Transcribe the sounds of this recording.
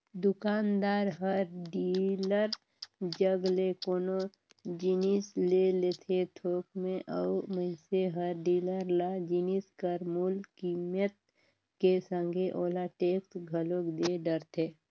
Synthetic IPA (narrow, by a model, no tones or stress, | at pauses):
d̪ʊkaːnd̪aːɾɦəɾɖiːləɾ | d͡ʒəɡlekoːno | d͡ʒinislelet̪ʰet̪ʰoːkmẽʔəuməɪseɦəɾɖiːləɾlad͡ʒiniskəɾmuːlkimət̪̚ | kesə̃ŋɡʱeʔoːlaʈeːkt̪ɡʱəlokd̪eɖəɾt̪ʰeː